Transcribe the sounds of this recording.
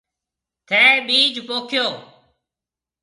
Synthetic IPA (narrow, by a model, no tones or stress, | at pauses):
t̪ʰeːɓiːd͡ʒʱpoːkʰjoː